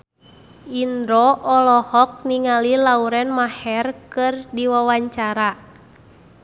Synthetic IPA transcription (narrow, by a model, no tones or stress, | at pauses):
indɾɔʔɔlɔhɔk̚niŋalilauɾɛnmahɛrkɨrdiwawaɲt͡ʃaɾa